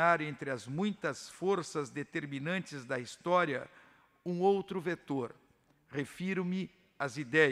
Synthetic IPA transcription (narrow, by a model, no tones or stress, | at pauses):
aɾẽnt̪ɾɪɐzmũj̃t̪ɐsfoɾsɐzd̪et̪eɾmĩnɐ̃nt͡ʃɪzd̪ɐist̪ɔɾiɐ̰ | ũowt̪ɾʊvet̪oɾ | ʁefiɾʊmɪ | ɐzid̪ɛ